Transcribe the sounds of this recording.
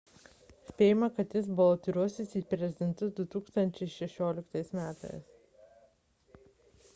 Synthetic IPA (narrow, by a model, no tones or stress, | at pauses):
sʲpʲeːjɪmɐkɐt̪jɪsbʊʋot̪ʊɾʲuɔsʲɪsiːpʲɾʲɛzʲɪd̪ʲɛnt̪ʊd̪ʊt̪uːkst̪ɐnʲt͡ʃʲɛɪʃʲɛʃʲoːlʲɪkt̪ɐɪsmʲæːt̪ɐ̰ɪs